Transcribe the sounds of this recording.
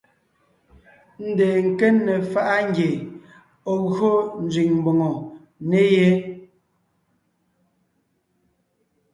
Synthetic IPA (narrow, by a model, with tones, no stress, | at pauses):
n̩˦de˨ŋ̩˨ke˦nːe˨fa˦ʔa˦ŋ˦ɡje˨ | ɔ˨ɣɰo˦n̩˦d͡zɥi˨ŋm˨bo˨ŋo˨ | ne˦je˦